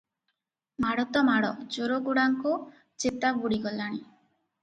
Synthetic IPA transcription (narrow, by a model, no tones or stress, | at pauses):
maɽɔt̪ɔmaɽɔd͡ʒoɾoɡuɽaŋkɔ | t͡ʃet̪abuɽiɡɔlaɽ̃i